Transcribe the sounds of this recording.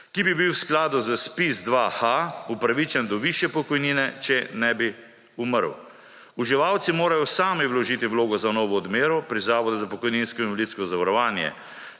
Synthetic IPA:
kibibiwsklaːd̪uzəspisd̪ʋaxaupɾaʋit͡ʃɛnd̪ɔʋiʃjɛpɔkɔjniːnɛt͡ʃɛnɛbi | uməɾw | uʒiʋawt̪simoːɾajɔsaːmiwlɔʒiːt̪iwloːɡɔzanɔːʋɔːd̪meːɾɔpɾizaːʋɔd̪uzapɔkɔjninskɔinʋlit̪skɔzaʋaɾɔʋaːnjɛ̰

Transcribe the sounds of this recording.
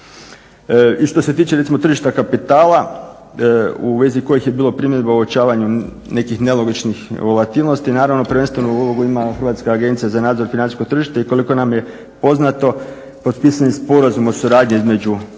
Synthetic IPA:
iʃt̪o̞se̞t̪iːt͡ʃeɾet̪imot̪ɾr̩ʒiʃt̪akapit̪aːla | uʋe̞ziko̞jixje̞biːlˠo̞pɾimje̞d̪baoot͡ʃaːʋaɲu | ne̞kixne̞lo̞ɡit͡ʃnixʋo̞lat̪iːlno̞st̪inaːɾaʋno̞pɾ̩ʋe̞nst̪ʋenuuloɡuimaxərʋaːt̪skaːɡe̞nt̪sijazanaːd̪zoɾfinaniskot̪r̩ʒiʃt̪aiko̞liko̞namje̞ | po̞znat̪o̞ | pot̪piːsanispo̞ɾazumosuɾaːd̪ɲiizme̞d͡ʑu

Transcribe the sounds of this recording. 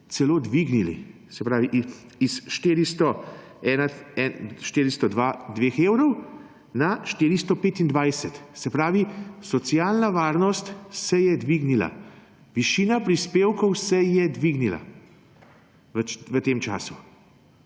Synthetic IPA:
t̪sɛloːd̪ʋiɡnilḭ | sɛpɾaːʋiʔisʃt̪eːɾist̪ɔ | ɛnaɛnʃt̪iːɾist̪ɔd̪ʋad̪ʋeːxeːwɾɔw | naʃt̪iːɾist̪ɔpeːt̪ind̪ʋajsɛt̪sɛpɾaːʋisɔt̪sijaːlnaʋaːɾnɔst̪sɛjɛd̪ʋiːɡnila̰ | ʋiʃiːnapɾispeːwkɔwsɛjɛd̪ʋiɡnila̰ | ʋət̪eːmt͡ʃa̰ːsu

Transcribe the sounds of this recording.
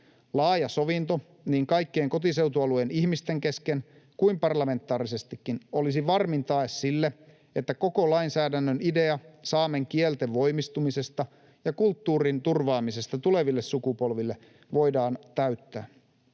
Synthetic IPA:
lɑːjɑso̞ʋint̪o̞ | niːŋkɑjkːeːŋko̞t̪ise̞wt̪uɑlueniçmist̪e̞ŋke̞sken | kuimpɑrlɑme̞nt̪ːˑɑːɾise̞st̪ikːinolisiʋɑrmint̪ɑessilːe | et̪ːæko̞ko̞lɑinsæːdænːønide̞ɑsɑːme̞ŋkielt̪e̞ʋːo̞jmist̪umise̞st̪ɑ | jɑkult̪ːuːrint̪urʋɑːmise̞st̪ɑt̪uleʋilːessukupo̞lʋilːe | ʋojdɑːnt̪æyt̪ːæː

